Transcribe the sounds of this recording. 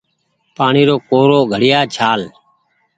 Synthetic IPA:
paːɳiːɾoːkoːɾoːɡʱəɽɪjaːt͡ʃʰaːl

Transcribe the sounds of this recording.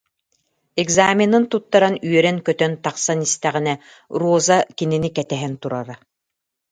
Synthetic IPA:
ɛɡzaːmʲinɯnt̪ut̪ːaɾanyœɾɛnkœt̪œnt̪aqsanist̪ɛʁinɛ | ɾuɔzakininikɛt̪ɛɦɛnt̪uɾaɾa

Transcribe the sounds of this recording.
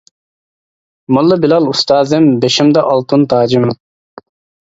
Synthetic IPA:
mɑlˠːɨbilɑlˠust̪ɑːzɪmbeʃimd̪ɛʔɑlˠt̪ʰunt̪ʰɑːd͡ʒim

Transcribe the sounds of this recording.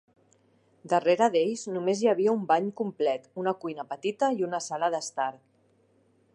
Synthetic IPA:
d̪əreɾəðeʎznumezjəβ̞iəumbaɲkumplɛt̪unəkujnəpət̪it̪əiunəsaləðəst̪aɾ

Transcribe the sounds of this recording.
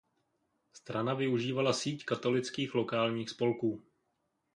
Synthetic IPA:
st̪ɾanavɪuʒiːvalasiːckat̪o̞lɪt͡skiːxlo̞kaːlɲiːxspo̞lkuː

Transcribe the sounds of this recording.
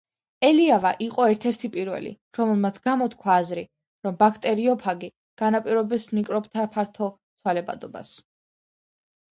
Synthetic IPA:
ɛliavaʔiqʼɔɛɾt̪ʰɛɾt̪ʰipʼiɾvɛ̰lḭ | ɾɔmɛlˠmat̪sʰɡ̥amɔt̪kʰwaːzɾi | ɾɔmbakʰt̪ʼɛɾiɔpʰaɡi | ɡ̥anapʼiɾɔbɛsnikʼɾɔbt̪ʰapʰaɾt̪ʰɔt̪sʰwalɛba̰d̪ɔba̰s

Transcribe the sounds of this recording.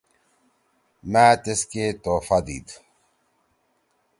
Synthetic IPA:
mæːt̪esket̪oːfad̪ḭːd̪

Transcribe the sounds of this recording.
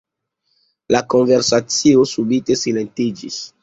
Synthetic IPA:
lako̞nveɾsat͡siosubite̞sile̞ntid͡ʒis

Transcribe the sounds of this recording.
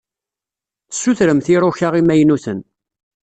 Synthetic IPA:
θə̥sːuθɾəmθiɾˤoçaʁimæjnuθən

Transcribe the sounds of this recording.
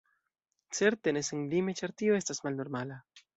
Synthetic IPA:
t͡se̞ɾt̪ene̞senlimet͡ʃaɾt̪io̞e̞stasmalno̞ɾmala

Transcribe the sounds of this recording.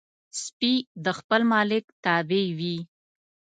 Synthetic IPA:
spid̪əxpəlmɑlɪkt̪ɑbewi

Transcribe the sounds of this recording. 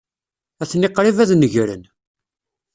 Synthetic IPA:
æθnɪqːɾivæðnəʝɾə̰n

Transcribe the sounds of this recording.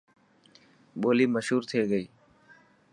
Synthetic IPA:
ɓoːliːməʃɦuːɾt̪ʰeːɡəiː

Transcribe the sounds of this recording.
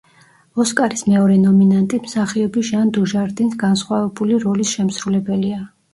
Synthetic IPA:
ɔskʼaɾismɛɔɾɛnɔminant̪ʼimsaχiɔbiʒand̪uʒaɾd̪insɡansχwavɛbuliɾɔlisʃɛmsɾulɛbɛlia

